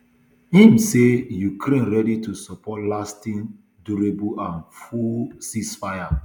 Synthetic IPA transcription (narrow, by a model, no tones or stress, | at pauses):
hĩmsejukɾẽnɹɛditusɔpɔtlastĩn | duɾebuãnfusisfaja